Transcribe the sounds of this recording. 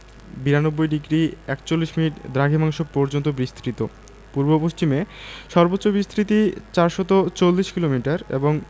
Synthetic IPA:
biɾanobːojɖiɡɾiɛkt͡ɕolːiʃminiʈd̪ɾaɡʱimaŋʃopɔɾd͡ʑont̪obɾist̪ɾit̪o | puɾbopoʃt͡ɕimeʃɔɾbotːɕobɾist̪ʰɾit̪it͡ɕaɾʃɔt̪ot͡ɕolːiʃkilomiʈaɾḛboŋ

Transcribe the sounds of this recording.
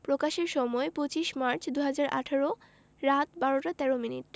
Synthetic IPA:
pɾokaʃeɾʃɔmɔepot͡ɕiʃmaɾt͡ɕʰd̪uɦad͡ʑaɾʔa̰ʈʰaɾo | ɾat̪baɾoʈat̪ɛɾominiʈ̚

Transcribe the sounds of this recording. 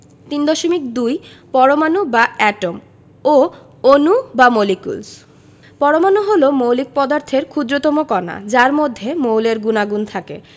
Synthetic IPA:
t̪ind̪ɔʃomikd̪ujpɔɾomanubaɛʈom | o | onubamolikṵls | pɔɾomanuɦolomowlik̚pɔd̪aɾt̪ʰeɾkʰud̪ɾot̪ɔmokɔna̰d͡ʑaɾmod̪ʱːemowleɾɡunaɡunt̪ʰakḛ

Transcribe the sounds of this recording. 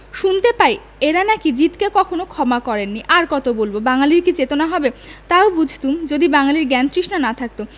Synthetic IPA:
ʃunt̪epaj | eɾanakid͡ʑit̪kekɔkʰonokʰɔmakɔɾenːiʔaɾkɔt̪obolbobaŋaliɾkit͡ɕet̪onaɦɔbet̪aobud͡ʑʱt̪umd͡ʑod̪ibaŋaliɾɡɛnt̪ɾiʃnanat̪ʰak̚t̪o

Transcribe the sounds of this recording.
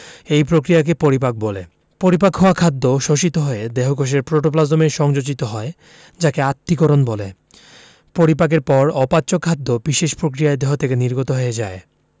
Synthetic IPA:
ejpɾokɾijak̬epoɾipak̚bolḛ | poɾipakɦɔakʰad̪ːoʃoʃit̪oɦoed̪eɦokoʃ̬eɾpɾoʈoplazomeɾʃɔŋd͡ʑod͡ʑit̪oɦɔe | d͡ʑakeat̪ːikɔɾonbole | poɾipak̬eɾpɔɾɔpatːɕokʰːad̪ːobiʃeʃpɾokɾijaed̪eɦot̪ʰekeniɾɡot̪oɦoed͡ʑae

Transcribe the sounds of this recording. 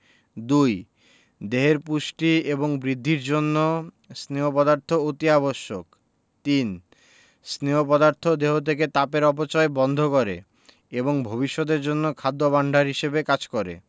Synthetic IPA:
d̪uj | d̪eɦeɾpuʃʈieboŋbɾid̪ʱːiɾd͡ʑonːo | sneɦopɔd̪aɾt̪ʰoot̪iaboʃːok | t̪in | sneopɔd̪aɾt̪ʰod̪eɦot̪ʰeket̪apeɾɔp̬ot͡ɕɔebɔnd̪ʱokɔɾḛ | eboŋbʱobiʃːod̪eɾd͡ʑonːokʰad̪ːobaɳɖʱaɾɦiʃebekad͡ʑkɔɾḛ

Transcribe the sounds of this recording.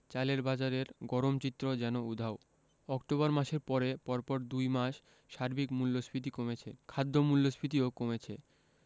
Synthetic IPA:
t͡ɕaleɾbad͡ʑaɾeɾɡɔɾomt͡ɕit̪ːɾod͡ʑɛnoud̪ʱao | ɔkʈoβaɾmaʃeɾpɔɾepɔɾpɔɾd̪ujmaʃ | ʃaɾbikmulːosbɾit̪̬ikomet͡ɕʰekʰad̪ʱːomulːosbɾit̪̬iokomet͡ɕʰe

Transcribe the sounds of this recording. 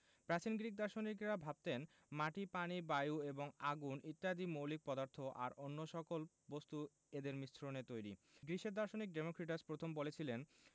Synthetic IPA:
pɾat͡ɕinɡɾik̚d̪aɾʃonikɾabʱab̚t̪en | maʈipanibajueboŋaɡunit̪ːiad̪imowlik̚pɔd̪aɾt̪ʰoʔa̰ɾonːoʃɔkol | bost̪u | ed̪eɾmist͡ɕʰɾonet̪ojɾḭɡɾiʃeɾd̪aɾʃonik̚ɖemokɾiʈ̬aspɾot̪ʰombolet͡ɕʰilen

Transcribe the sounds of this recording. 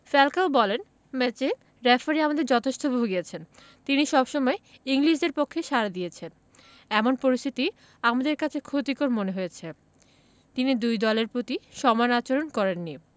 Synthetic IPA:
fɛlkaobɔlen | mɛt͡ɕe | ɾɛfaɾiamad̪eɾd͡ʑɔt̪ʰeʃt̪ʰobʱoɦoɡiet͡ɕʰen | t̪iniʃɔbʃɔmɔeiŋliʃ̬deɾpokʰːeʃaɾad̪iet͡ɕʰen | ɛmonpoɾist̪ʰit̪i | amad̪eɾkat͡ɕʰekʰot̪ikoɾmoneɦojet͡ɕʰe | t̪inid̪ujd̪ɔleɾpɾot̪iʃɔmanat͡ɕoɾonkɔɾenːi

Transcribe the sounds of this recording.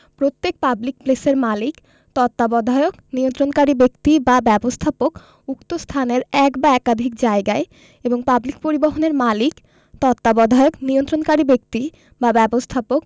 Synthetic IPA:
pɾot̪ːek̚pablik̚pleseɾmalik | t̪ɔt̪ːabɔd̪ʱaeokniont̪ɾonkaɾibekt̪ibabɛbost̪ʰapok | ukt̪ost̪ʰaneɾɛkbaɛkad̪ʱik̚d͡ʑaeɡae | eboŋpablik̚poɾiboɦoneɾmalik | t̪ɔt̪ːabɔd̪ʱaeokniont̪ɾonkaɾibek̚t̪i | babɛbost̪ʰapok

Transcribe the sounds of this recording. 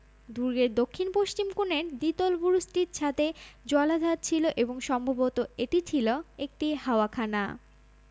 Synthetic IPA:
d̪uɾɡeɾd̪okʰːinpoʃt͡ɕimkuneɾd̪it̪olbuɾusʈiɾt͡ɕʰat̪ed͡ʑɔlad̪ʱat̪̚t͡ɕʰiloʔeboŋʃɔmbʱabot̪oeʈit͡ɕʰiloek̚ʈihaoakʰana̰

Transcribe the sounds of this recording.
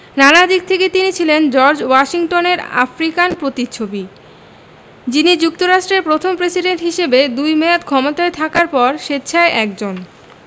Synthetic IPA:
nanad̪ik̚t̪ʰeket̪init͡ɕʰilend͡ʑɔɾd͡ʑwaʃiŋʈoneɾa̰fɾikanpɾot̪it͡ɕʰobi | d͡ʑinid͡ʑuk̚t̪oɾaʃʈɾeɾpɾot̪ʰompɾesiɖeɳʈɦiʃebed̪ujmɛat̪kʰɔmot̪aet̪ʰakaɾpɔɾʃet͡ɕʰaeʔɛkd͡ʑon

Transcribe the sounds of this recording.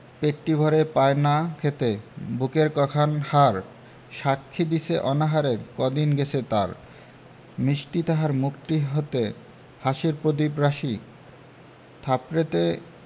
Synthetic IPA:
peʈːibʱɔɾepaenakʰet̪ebukeɾkɔkʰanhaɾ | ʃakʰːid̪iseʔɔnaɦaɾekɔd̪inɡet͡ɕʰet̪aɾ | mɾiʃʈit̪aɦaɾmukʈiɦot̪e | haʃiɾpɾod̪ipɾaʃi | t̪ʰapɾet̪e

